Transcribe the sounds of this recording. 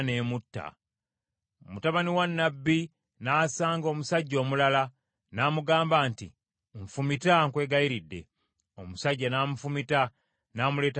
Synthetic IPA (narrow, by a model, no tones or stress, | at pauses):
ne̞ːmutːa̰ | omutaβaniwanːabːi | naːsaːŋɡo̞ːmusaɟːo̞ːmulala | naːmuɡaːmbaːntḭ | ɱfumitaŋkwe̞ːɡajiɾidːe̞̰ | omusaɟːanaːmufumita | naːmule̞ːt